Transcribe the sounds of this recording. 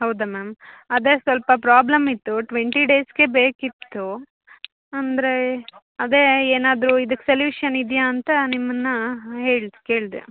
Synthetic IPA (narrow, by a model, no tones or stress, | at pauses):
ɦɐwd̪ɐmeːmɐd̪eːsʋɐlpɐpɾaːblɐmit̪ːuʈʋeɳʈiɖeːsɡe̞be̞ːkit̪ːu | ɐnd̪ɐɾe̞ | ɐd̪e̞ːeːnaːd̪ɾuid̪ɐkːseljuːʂɐnid̪jaːnt̪ɐnimːɐnːɐɦeːɭd̪uke̞ːɭd̪ḛ